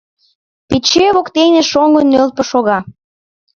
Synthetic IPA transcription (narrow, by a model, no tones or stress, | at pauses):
pit͡ɕeβokt̪enʲĕʃoŋɡənːøl̚pɤ̆ʃoɣɑ